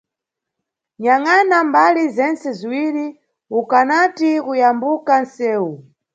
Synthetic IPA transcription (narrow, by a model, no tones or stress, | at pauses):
ɲaŋanambalizɛnt͡sɛziwiɾi | ukanatikujambukansɛːu